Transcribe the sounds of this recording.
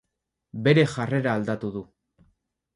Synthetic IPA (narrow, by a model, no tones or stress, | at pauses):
be̞ɾe̞ʝare̞ɾaːld̪at̪uðu